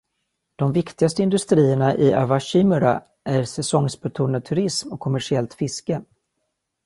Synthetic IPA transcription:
d̪̥ɔmvɪkt̪ɪɡast̪əɪnd̪ɵst̪ɾiːəɳaʔɪa̰vaɕɪmʉɾa̰ | ʔæɾsɛsɔŋsbœt̪ʰuːɳad̪̚t̪ʰɵɾɪsmɔkʰːɔmæʂɪɛlt̪fɪskə

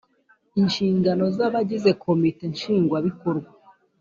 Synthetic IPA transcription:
inʃiːŋɡano̞zaβaɟize̞kʰo̞mite̞nʃiːŋɡwaβiko̞ɾɡwa

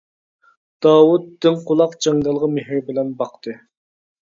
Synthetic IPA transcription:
d̪̥ɑːwut̪ːɪnqʰolˠɑqd͡ʒɑŋd̪ɑlˠʁɑmeɦɪɾbɪlɛnbɑqt̪ʰɨ

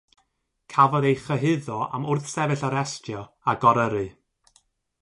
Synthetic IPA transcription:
kʰavɔðejχəɦɪðɔa̰mʊrθsɛvɨɬaɾɛstʰjɔ | aɡɔɾəɾɨ

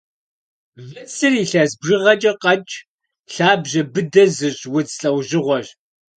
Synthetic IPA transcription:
vɨt͡sʰɨriɬɐzbʐɨʁɐt͡ʃʼɐqɐt͡ʃʼ | ɬaːbʑɐbɨdɐzɨɕwʊt͡sɬʼɐwʑɪʁʷɔʒ

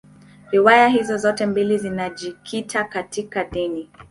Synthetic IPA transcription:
ɾiwajahizɔzɔtɛmbilizinaʄikʰitʰakatikaɗini

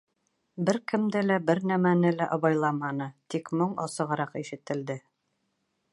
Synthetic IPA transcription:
bɘɾkɘ̆md̪ɘlæbɘɾnæmænɘlæʔɒbɑjlˠɑmɑnɤt̪ikmoɴɒ̰sɤ̆ʁɤ̆ɾɑqiʃɘ̆t̪ɘ̆ld̪ɘ

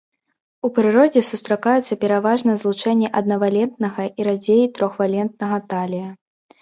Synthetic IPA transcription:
upɾɨɾɔd͡zʲɛsust̪ɾakajɛt̪sːɐpʲɛɾavaʐnɐzlˠut͡ʂɛnʲːɛʔɐd̪nɐvalʲɛnt̪̚nɐɣɐʔiɾad͡zʲejit̪ɾɔxvalʲɛnt̪̚nɐɣɐt̪alʲijɐ

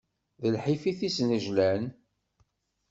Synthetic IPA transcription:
ðəlħifiθisnəʒlæn

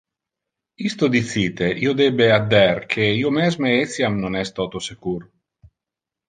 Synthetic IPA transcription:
ist̪od̪it̪siːt̪eʔiod̪ebead̪ːɛrkʰeiomɛzmeet̪sjamnonɛst̪ɔt̪osekuɾ

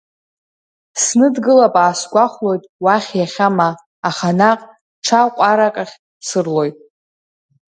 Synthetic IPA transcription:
snɨdɡɨlapʼaːsɡʷaχʷlo̞jtʼwaχʲjaχʲamaː | χanaqʼ | ʈ͡ʂʰaqʷʼaɾakʼaχʲ | sɨrlo̞jtʼ

